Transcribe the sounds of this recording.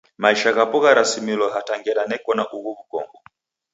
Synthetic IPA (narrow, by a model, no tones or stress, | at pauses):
maiʃaɣapuɣaɾasimilɔɦataŋɡɛɾanɛkɔnaʔuɣuβukɔ̰ŋɡɔ